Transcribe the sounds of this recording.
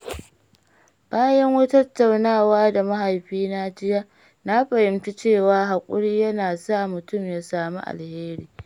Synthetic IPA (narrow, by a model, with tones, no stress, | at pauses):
b̥aː˦jɐ˦ŋwa˦tɐ˦tːa˨wnaː˦˨waː˦da˨mɐ˦ha˨jɸiː˦na˦d͡ʒɪ˦jaː˦ | na˦ɸɐ˨jɪ˨mta˦t͡ʃeː˦˨waː˦ɦa˨kʷʼʊ˦ɽiː˦jɐ˦naː˨sa˦˨mʊ˨tʊ˦˨mjaː˦saː˨mṵ˦ʔa̰˨lheː˦ɾiː˦